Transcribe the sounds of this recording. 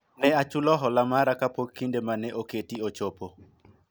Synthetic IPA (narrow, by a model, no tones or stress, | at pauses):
nɛat͡ʃulɔɦɔlamaɾakapokːindemanɛʔoketiot͡ʃopo